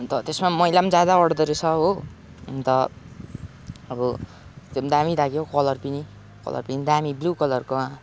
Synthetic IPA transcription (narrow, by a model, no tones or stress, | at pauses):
t̪ʌt̪esmamʌjlamd͡zad̪aʌɽd̪ʌɾet͡sʰʌɦo | nt̪ʌ | ʌbʌ | t̪emd̪amid̪aɡjokʌlʌrpini | kʌ̰lʌ̰rpinid̪amiblukʌlʌrkoa